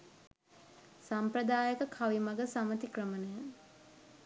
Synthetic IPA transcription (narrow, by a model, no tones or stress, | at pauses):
samprəd̪aːjəkəkʰaʋimɐɡəsamət̪ikrəmənəjə